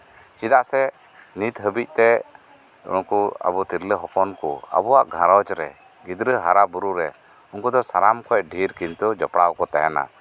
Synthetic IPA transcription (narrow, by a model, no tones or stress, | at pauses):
t͡ʃid̪aʔsɛ | nit̪ɦəbic̚ˀt̪ɛ | ṵnkua̰bɔt̪iɾləɦɔpɔnkɔ̰a̰bɔwaʔɡʱãɾɔt͡ʃɾɛ̰ | ɡid̪ɾəɦaɾabuɾuɾɛ | uŋkud̪ɔsaɾamkʰɔjɖʱiɾkint̪ud͡ʒɔpɽawkɔt̪ɛɦɛna̰